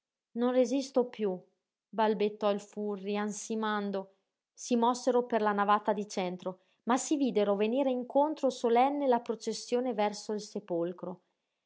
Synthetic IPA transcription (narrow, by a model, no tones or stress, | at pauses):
nonrezist̪opju | balbet̪ːɔilfurːiansimand̪o | simɔsːeɾoperlanavat̪ad̪it͡ʃɛnt̪ɾo | masiviːd̪eɾoveniːɾeiŋkont̪ɾosolɛnːelapɾot͡ʃesːjoːnevɛrsoilsepolkɾo